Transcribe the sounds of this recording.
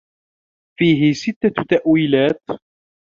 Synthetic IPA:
fiːɦɪsɪt̪ːat̪aʔwiːlaːt̪

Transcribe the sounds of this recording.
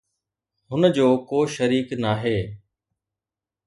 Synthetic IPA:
ɦʊnəd͡ʑoːkoːʃəɾiːknaːɦeː

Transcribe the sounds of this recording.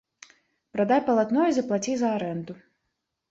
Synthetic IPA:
pɾad̪ajpɐlˠat̪nɔjuzɐplˠat͡sʲizɐaɾɛnd̪u

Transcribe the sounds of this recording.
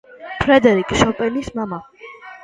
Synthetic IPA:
pʰɾɛd̪ɛɾikʼʃɔpʼɛnismama

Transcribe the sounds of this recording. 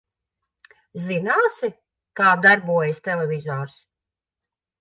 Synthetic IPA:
zinaːsi | kaːd̪aɾbuɔjɪst̪ɛlɛvʲizɔːɾs

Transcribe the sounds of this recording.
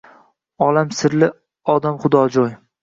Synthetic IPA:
ɒlamsɪɾlɪ | ɒd̪amχʊd̪ɒd͡ʒoj

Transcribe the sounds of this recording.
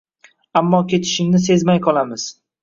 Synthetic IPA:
amːɒkʲʰe̞t̪ʰɪ̥ʃɪŋnɪs̬e̞zmajqʰɒlˠamɪz̥

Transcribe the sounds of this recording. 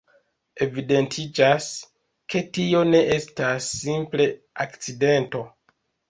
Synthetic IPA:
e̞vide̞ntʰid͡ʒas | ke̞tio̞ne̞ʔestasːimple̞ | akt͡side̞nto̞

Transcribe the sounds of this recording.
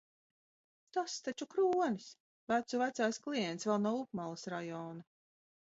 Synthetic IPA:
t̪ast̪at͡ʃukɾuːɔnis | væt̪suvæt̪sajsklˠijɛnt̪svɛlˠnawup̚malˠɨsɾajɔːna

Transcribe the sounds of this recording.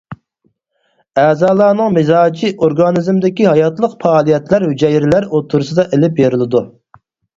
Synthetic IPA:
ɛːzɑːlˠɑːnɨŋmɪzɑːd͡ʒiʔoɾɡɑnɨzmd̪ɪkʲiɦɑjɑt̪lˠəqfɑːlˠijɛt̪læɾhyd͡ʒɛjiɾɪlæɾot̪ʰːuɾɨsɨd̪ɑʔelɪp̚beɾɪlˠɪd̪u

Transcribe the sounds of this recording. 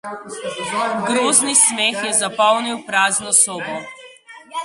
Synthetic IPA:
ɡɾɔznismɛxjɛzapalˠniwpɾaznɔsɔbɔ

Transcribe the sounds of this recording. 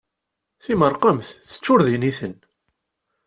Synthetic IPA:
θiməɾˤqəmθθə̥t͡ʃːʊɾðiniθən

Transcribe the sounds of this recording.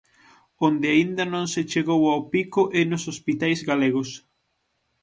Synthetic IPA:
ond̪ɪaind̪ɐnõŋset͡ʃeɣowawpikʊʔɛnʊsospit̪ajzɣaleɣʊs

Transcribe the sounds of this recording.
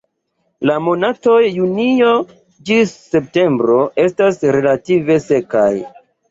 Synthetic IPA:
lamo̞nato̞jːunio | d͡ʒiːe̞p̚te̞mbɾo̞e̞stasɾe̞lative̞se̞ka̰j

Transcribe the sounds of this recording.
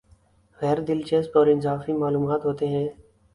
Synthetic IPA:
ɣɛːɾd̪ɪlt͡ʃeːspɔːɾɪnzaːfiːmaːluːmaːt̪ɦoːt̪eːɦɛ̃ː

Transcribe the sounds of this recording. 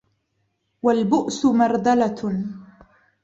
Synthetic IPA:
walbʊʔsʊmɑɾˤd̪ala

